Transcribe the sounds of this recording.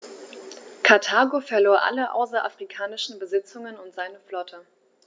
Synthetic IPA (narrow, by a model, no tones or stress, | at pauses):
kʰaɐtʰaːɡofɛɐloːɐʔa̰ləʔa̰ʊs̬ɐʔa̰fʁ̥ikʰaːnɪʃn̩bəzɪt͡sʊŋənʊntz̥aɪnəflɔtʰə